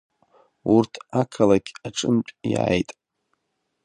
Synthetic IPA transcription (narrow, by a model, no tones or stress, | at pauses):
urtʰakʰalaɡʲaʈ͡ʂʼɨmpʷʼja̰ːjtʼ